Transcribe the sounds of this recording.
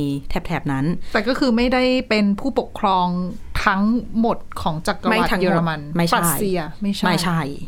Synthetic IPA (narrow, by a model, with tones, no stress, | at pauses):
t̪ʰɛ˦˥p̚t̪ʰɛ˦˩p̚na˦˥nt̪ɛː˨˩kɔː˥˩kʰɯː˧ma˥˩jda˥˩jpe˧npʰuː˥˩po˨˩kʰːɾɔː˧ŋ | t̪ʰa˦˥ŋmo˨˩t̪̚kʰɔː˩˦ŋt͡ɕa˨˩kːma˦˩wa˨˩a˦ŋju˧ɾa˧ma˧nma˥˩ja˨˧˦jsi˧ɐma˥˩jt͡ɕʰama˥˩t͡ɕʰa˥˩j